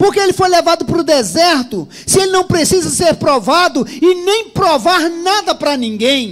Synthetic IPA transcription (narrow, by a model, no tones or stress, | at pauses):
poɾkeelɪfojlevad̪ʊpɾʊd̪ezɛɾt̪ʊ | sɪelɪnɐ̃w̃pɾesizɐseɾpɾovad̪ʊɪnẽj̃pɾovaɾnad̪ɐpɾɐnĩŋɡẽj̃